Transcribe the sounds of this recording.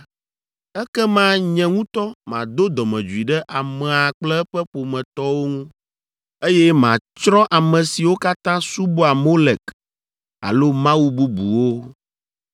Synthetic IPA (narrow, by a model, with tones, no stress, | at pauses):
ɛ˦kɛ˦mã˦ɲɛ̃˨ŋũ˦t̪ɔ˦mã̰˨d̪o˦d̪ɔ˨mɛ̰̃˨d͡ʒu˨i˨ɖɛ˦ʔa˨mɛ̃˨a˨k͡plɛ˦ɛ˦ɸɛ˦ɸo˨mɛ̃˨t̪ɔ˦wo˦ŋũ˦ | e˦jɛ˦mã˨t͡ʃɾɔ̃˦ʔa˨mɛ̃˨si˨wo˦ka˦t̪ã˦su˦bo˦a˨mo˦lɛ˨k | a̰˨lo˦mã˦wu˦bu˦bṵ˨wo˦